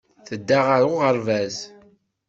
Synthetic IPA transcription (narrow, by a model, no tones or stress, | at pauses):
θəd̪ːaʁaɾʊʁəɾvæz